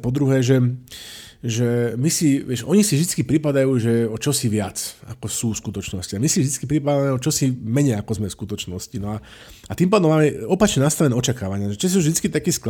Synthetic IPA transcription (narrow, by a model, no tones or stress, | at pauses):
pɔd̪ɾuɦɛːʒɛ | ʒɛmisiʋɪɛʃʔɔɲisivʒd̪it͡skipɾipad̪ajuːʒɛɔt͡ʃɔsiʋɪat͡sa̰kɔsuːfskut̪ɔt͡ʃnɔsciamisivʒd̪it͡skipɾipad̪amɛɔt͡ʃɔsimɛɲɛjakɔzmɛfskut̪ɔt͡ʃnɔscinɔa | at̪impaːd̪ɔmaːmɛɔpat͡ʃɲɛnast̪aʋɛnɛɔt͡ʃakaːʋaɲɪaʒɛt͡ʃɛsisuvʒd̪it͡skit̪akiːsk